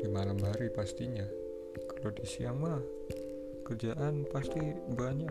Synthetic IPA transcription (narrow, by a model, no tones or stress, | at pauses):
d̥imalamɦaɾipast̪iɲa | kalodisiaŋmah | kərd͡ʒaʔanpast̪ibaɲa